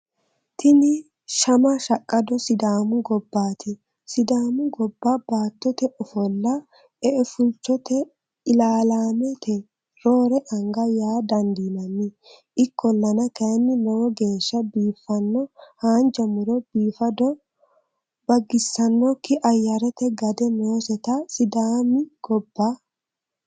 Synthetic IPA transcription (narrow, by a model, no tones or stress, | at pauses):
t̪ʰɪnɪ | ʃɐmɐʃɐkʼːɐd̪ɔsɪd̪aːmʊɡɔbːaːt̪ʰɪ | sɪd̪aːmʊɡɔbːabaːt̪ːɔt̪ɛʔɔfɔlːɐ | ɛʔɛfʊlt͡ʃːɔt̪ɛ | ɪlaːlaːmɛt̪ʰɛ | ɾoːɾɛʔɐŋɡɐjaːd̪ɐnd̪inɐnːɪ | ʔɪkʰːɔlːɐnɐkɐnːɪnɛwɔɡe̞ːʃːɐbiːfːɐnːɔhaːnd͡ʒɐmʊɾɔbiːfɐd̪ɔ | bɐɡːɪsːɐnːɔkːɪʔɐjːɐɾɛt̪ɛɡɐd̪ɛnoːsɛt̪ɐsɪd̪aːmɪɡ̥ɔbːa